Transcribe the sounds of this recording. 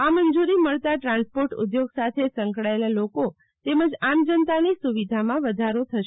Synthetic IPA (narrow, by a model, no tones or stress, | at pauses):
amənd͡ʒuɾiməɭt̪aʈɾãnspoɾʈʊ̰d̪joɡsat̪ʰesə̃ŋkɭaelaloko | t̪eməd͡ʒamd͡ʒənt̪anisuʋid̪ʱamãʋəd̪ʱaɾot̪ʰəʃ